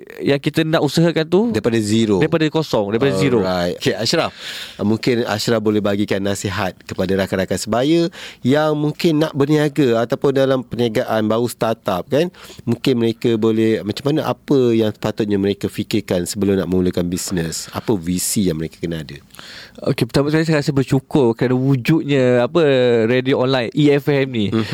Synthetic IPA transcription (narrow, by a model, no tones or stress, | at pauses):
jaŋkit̪ənãʔusaɦakant̪udaɾipadaziɾoaɾidpadakosɔŋdaɾipadaziɾoajt̪keaʃɾafmuŋkɪna̰ʃɾafbolɛhbaɡikanːasiɦat̪̚kəpadaɾakaɾakansəbajəjaŋmũŋkɪnːaʔbərniaɡəat̪awpʊndalampəniaɡaʔanbaust̪at̪ap̚kanmũŋkɪnməɾekəbolɛhmat͡ʃamːanəʔa̰pəjaŋsə̥pat̪ʊt̪̚ɲaməɾekəfikɪrkansəbəlʊmnaʔmə̃ulukanbisnəsa̰pəvisijaŋməɾekḁkənaadə | o̰kepət̪abaʔskalis̬ajɾasɪhbərt͡ʃukʊrkəɾanawud͡ʒut̪̚ɲə̃apəɾedioɔnlajniɛfɛmnĩ